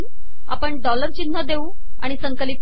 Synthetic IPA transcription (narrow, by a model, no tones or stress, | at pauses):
n | a̰pəɳɖɔləɾt͡ɕin̤ːəd̪eũː | a̰ɽ̃isəŋkəliːt̪